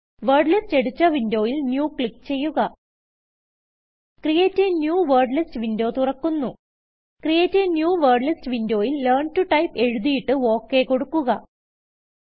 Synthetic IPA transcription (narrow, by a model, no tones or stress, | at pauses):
ʋerɖlɐste̞ɽut͡ɕːɐʋindo̞ːjilnjuːkɭikːt͡ɕe̞jːuɣɐ | krijeːtːɨnjuːʋeːrɖlistʋindo̞ːt̪urɐkːunːu | krjeːtːɨnjuːʋeːrɖlistɨʋindo̞ːjilːeːrɳtuʈɐjpe̞ɻuðijiʈːɨo̞ːkːe̞ko̞ɽukːuɣɐ